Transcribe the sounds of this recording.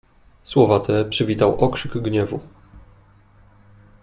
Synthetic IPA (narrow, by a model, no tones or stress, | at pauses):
swɔvat̪ɛpʂɘvʲit̪awʔɔkʂɘɡɡɲɛvu